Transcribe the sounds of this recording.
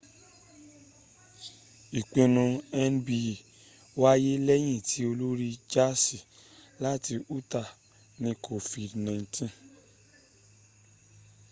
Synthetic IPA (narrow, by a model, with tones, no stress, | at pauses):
i˨k͡pĩ˧nũ˧ɛ˦n˦bi˧e˨ | wa˦je˦lɛ˦j̃ĩ˦˨tʰi˨˦o˧lo˦ɾi˦d͡ʒa˦si˨ | la˦ti˧u˦ta˦˨ | nĩ˧ko˨fi˨nã˨n˨tʰĩ˦